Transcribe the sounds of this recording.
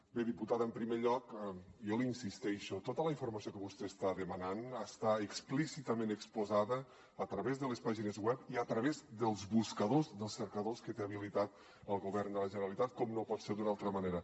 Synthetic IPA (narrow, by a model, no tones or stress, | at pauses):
beðiput̪aðəmpɾimeʎɔkiɔlinsist̪ɛʃot̪ot̪ələiɱfuɾmɐsiokəβust̪eːst̪aðəmananəst̪aəksplisit̪əmẽnəkspuzaðəː | t̪ɾəβezðəlespaʒinəzɣwɛpiət̪ɾəβezd̪əlˠzβuskəðozðəlˠsːəɾkəðoskət̪eəβilit̪at̪̚ | əlˠɣuβɛɾnd̪ələʒənəɾalit̪at̪̚kɔmnopɔt̪seɾd̪unalˠt̪ɾəməneɾə